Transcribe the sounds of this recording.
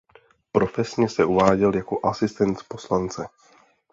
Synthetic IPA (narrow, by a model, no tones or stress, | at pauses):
pɾo̞fɛsɲɛsɛuvaːɟɛljako̞ʔasɪst̪ɛnt̪po̞slant͡sɛ